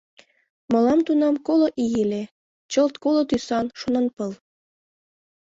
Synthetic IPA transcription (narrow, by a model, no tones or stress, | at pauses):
mɤ̆lɑmt̪unɑmkoloʔijele | t͡ɕəlt̪kolot̪ysɑnʃonɤnpəl